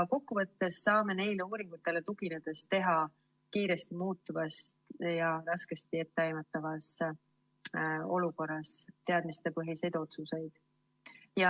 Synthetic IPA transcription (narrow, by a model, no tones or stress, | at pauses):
ko̞kːuvɤt̪ːe̞sːɑːme̞ne̞jleuːɾiŋɡ̥ut̪ːˑe̞le̞t̪uɡ̥ine̞d̪̥e̞st̪e̞ɦɑ | kiːɾe̞st̪imuːt̪ːˑuvɑst̪jɑɾɑske̞st̪ie̞t̪ːe̞ɑjmɑt̪ːˑɑvɑs | o̞luko̞rːɑst̪e̞ɑd̪mist̪e̞pɤɦise̞jd̪̥o̞t̪suse̞jd̪̥ | jɑ